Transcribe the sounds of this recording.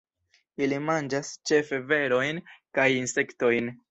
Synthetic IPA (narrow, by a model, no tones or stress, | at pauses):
ilimand͡ʒast͡ʃe̞fe̞ve̞ɾo̞jnkajinse̞kto̞jn